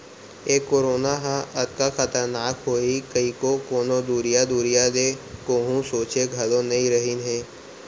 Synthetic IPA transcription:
eːkːoːɾoːnaɦãʔɐt̪kaxɐt̪əɾnaːkɦoːikəikokoːnod̪uːɾijad̪uːɾijad̪eːkoːɦũsoːt͡ʃeɡʱɐlõnɐɦĩɾɐɦinɦɛ̃ː

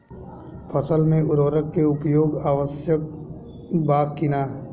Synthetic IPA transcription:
pʰəsəlmẽʊɾoːɾəkːeʊpjoːɡaːʋəsjək̚ | baːkkɪnaː

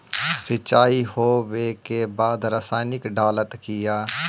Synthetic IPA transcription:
sɪt͡ʃaːiːhoːʋeːkeːbaːd̪ɾəsaːnɪkɖaːlət̪kɪjaː

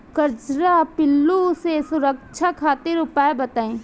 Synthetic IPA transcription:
kɐɾt͡ʃɾapɪlːusesʊɾək̚t͡ʃʰakʰaːt̪ɪɾʊpaebɐt̪aːẽː

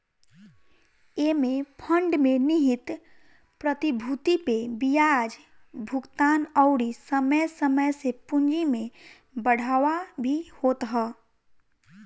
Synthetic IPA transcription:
emẽpʰə̃ɳɖmẽnɪɦɪt̪ | pɾət̪ibʱut̪ipebijad͡ʒ | bʱʊɡt̪aːnəʊɽisəməjsəməjsepʊ̃nd͡ʒimẽ | bəɽ̤ʱaːwabʱihoːt̪ɦə

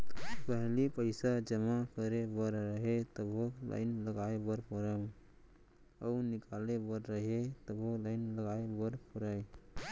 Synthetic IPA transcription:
pəɦlipəɪsad͡ʒəmakəɾebəɾɾəɦet̪əbʱola̰ɪnləɡaebəɾpɔɾəm | aʊnɪkalebəɾɾəɦet̪əbʱolaɪnləɡaebəɾpɔɾaj

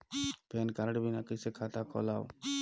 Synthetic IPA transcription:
pɛnkaɾɖbinakisekʰat̪akʰɔ̰law

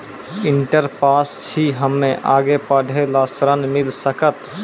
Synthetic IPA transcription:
ɪɳʈəɾpaːst͡ʃʰiɦəmːẽʔaːɡepəɽʱelaːsɾənmɪlsəkət̪

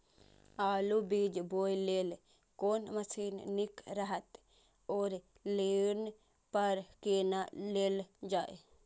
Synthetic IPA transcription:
aːlubiːd͡ʒboːjleːl | koːnməsiːnnɪkɾəɦət̪ | oːɾ | leːn | pəɾkeːnaleːld͡ʒaːe

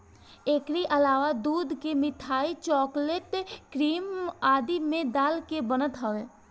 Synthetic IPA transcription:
eːkɾiʔɐlaːʋad̪uːd̪kemɪt̪ʰaːit͡ʃɔːkleʈkɾiːmaːd̪imẽd̪aːlkebənət̪ɦəʋeː

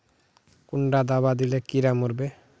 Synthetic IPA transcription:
kuɳɖad̪abad̪ilekiɾamuɾbe

